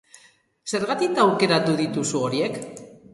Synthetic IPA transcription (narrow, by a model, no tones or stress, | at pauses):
se̞ɾɣat̪ikawke̞ɾat̪uðit̪usuo̞ɾie̞k